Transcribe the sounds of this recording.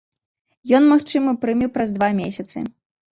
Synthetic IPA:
jɔnmaxt͡ʂɨmɨpɾɨmʲiwpɾɐzd̪vamʲesʲɐt̪sɨ̰

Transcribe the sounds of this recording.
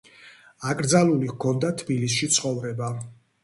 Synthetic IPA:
akʼɾd̪zalulikʰɔnd̪at̪ʰbilis̬ʃit̪sʰχɔvɾɛba

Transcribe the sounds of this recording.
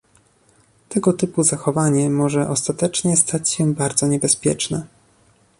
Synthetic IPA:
t̪ɛɡɔt̪ɘpuzaxɔvaɲɛmɔʐɛʔɔst̪at̪ɛt͡ʂɲɛst̪ʰat͡ɕɕɛbaɾd̪zɔɲɛbɛspʲjɛ̰t͡ʂnɛ

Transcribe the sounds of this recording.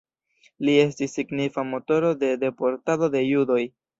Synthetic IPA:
lie̞stisːiɡnifamo̞to̞ɾo̞de̞de̞po̞ɾtado̞de̞judo̞j

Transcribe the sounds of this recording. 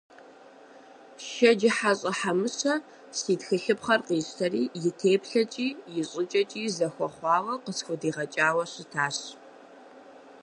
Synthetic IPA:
ʃɐd͡ʒɪħaɕʼɐħamɨɕɐ | siːtxɨɬɨpχɐrqiːɕtʰɐriːjɪtʰeːpɬɐt͡ʃʼiːjɪɕʼɪt͡ʃʼɐt͡ʃʼiːzɐxʷɔχʷɑːʁɐqəsxʷʊdiːʁɐt͡ʃʼaːwɐɕɪtʰaːɕ

